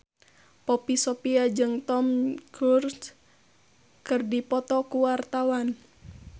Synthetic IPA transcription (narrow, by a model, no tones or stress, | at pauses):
pɔpisɔpiad͡ʒɨŋt̪ɔmkurs | kɨrdipɔt̪ɔkuwart̪awan